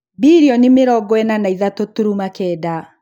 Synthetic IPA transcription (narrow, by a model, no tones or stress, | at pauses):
biɾiɔnimeɾɔɡɔɛnanaiðatotuɾumakɛːda